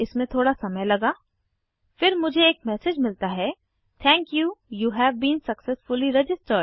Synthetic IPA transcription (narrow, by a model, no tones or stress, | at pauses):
ɪsmẽt̪ʰoːɽasɐməjlɐɡaː | fɪɾmʊd͡ʒʱeːk̚mɛsɪd͡ʒmɪlt̪aɦɛ | t̪ʰɛ̃ːŋkjuːjuːɦɛʋbĩːnsɐksɛsfʊliɾɛd͡ʒɪsʈəɾɖ